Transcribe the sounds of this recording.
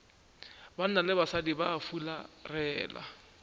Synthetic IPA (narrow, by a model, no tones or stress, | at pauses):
ban̩nalɪbasadibaːfula̰rɛːla̰